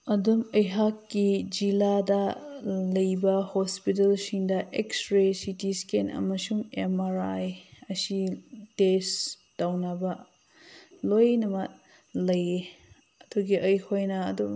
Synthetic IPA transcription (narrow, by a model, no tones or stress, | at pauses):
ɐdumɐjɦakːid͡ʒiladɐlɐjbɐhospit̬ɐlsiŋdɐʔekstɾesitiskenʔɐ̰mɐsuŋemaɾajɐsites | tawnɐbɐ | lojnɐmɐt̚ | lɐje | ɐduɡiʔɐjhʰojnɐɐ̰dum